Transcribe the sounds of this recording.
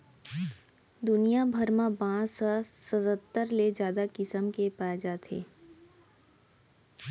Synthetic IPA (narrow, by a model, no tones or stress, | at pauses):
d̪ʊnijabʱəɾmãbãːsasət̪ət̪ːəɾled͡ʒjaːd̪akɪsəmkepaːed͡ʒaːt̪ḛː